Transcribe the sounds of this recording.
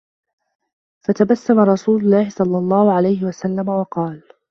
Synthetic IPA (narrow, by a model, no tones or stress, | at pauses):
fat̪abasːamaɾˤɑsuːlʊlːɑːhɪsˤɑlːɑlˤːɑːhʊʕalajhɪwasalːamawɑqɑːl